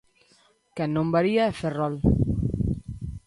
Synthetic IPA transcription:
kɛnõmbaɾiaːferɔl

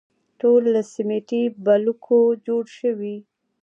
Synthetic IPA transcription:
ʈolːasimeʈibalukʰod͡ʒoɽʃəwi

